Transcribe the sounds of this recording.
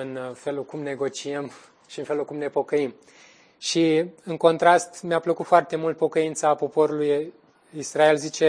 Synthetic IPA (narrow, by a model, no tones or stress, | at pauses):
ɨnfe̞lulkumne̞ɡo̞t͡ʃiem | ʃiɨnfe̞lulkumne̞po̞kəim | ʃiɨŋko̞nt̪ɾast̪meapləkut̪foart̪e̞mult̪̚po̞kəint̪səapo̞po̞ɾuluj | israe̞lzit͡ʃe̞